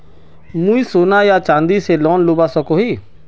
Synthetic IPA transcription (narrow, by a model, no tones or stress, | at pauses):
mũiːsoːnaːjaːt͡ʃãːnd̪iːseːlɔːnlʊbaːsəkoːɦiː